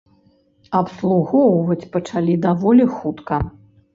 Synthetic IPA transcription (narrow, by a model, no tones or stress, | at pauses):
ɐpslˠuɣɔwvɐt͡sʲpɐt͡ʂalʲid̪avɔlʲixut̪kɐ